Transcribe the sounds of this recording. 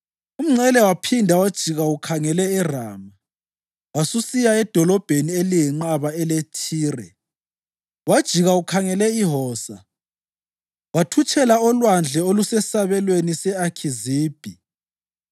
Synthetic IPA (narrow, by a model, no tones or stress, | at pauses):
um̩ŋ͡ǀɛlɛwapʰindʱawad̥ʒ̥ʱiɣaukʰaŋɛlɛɛraːma | wasusijaɛd̥ʱɔlɔb̥ʱenielijɛŋ͡ǃaβaɛletʰiːrɛ̰ | wad̥ʒ̥ʱiɣaukʰaŋɛlɛiɦɔːsa̰ | watʰut͡ʃʼʰɛlaɔlwand͡ɮʱɛolusɛsaβɛlwenisɛakʰiziːb̥ʱi